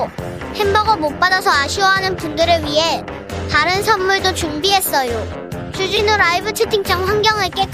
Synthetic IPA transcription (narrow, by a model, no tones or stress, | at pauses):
he̞mbʌɡʌmop͈adasʰʌaɕʰiwʌɦanɯnpundɯɾɯɭɥiɦe̞ | taɾɯnsʰʌnmuɭdot͡ɕumbiɦe̞s͈ʌjo | t͡ɕud͡ʑinɯɾaibɯt͡ɕʰɯtʰiŋt͡ɕ͈ʌŋɸwaŋɡjʌŋɯɭk͈et͈